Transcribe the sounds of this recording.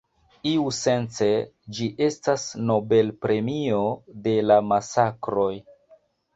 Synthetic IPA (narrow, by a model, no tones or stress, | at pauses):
iuse̞nt͡se̞ | d͡ʒiʔe̞stasno̞be̞lpɾe̞mio̞de̞lamasakɾo̞j